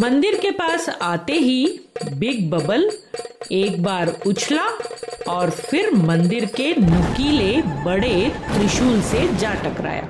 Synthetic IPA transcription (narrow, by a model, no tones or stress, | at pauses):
mɐ̃nd̪ɪɾkepaːsaːt̪eɦibɪɡ̚bɐbəl | eːk̚baːɾʊt͡ʃʰlaɔːɾfɪɾmɐ̃nd̪ɪɾkenʊkilebɐɽet̪ɾɪʃuːlsed͡ʒaːʈɐkɾa̰ːja̰ː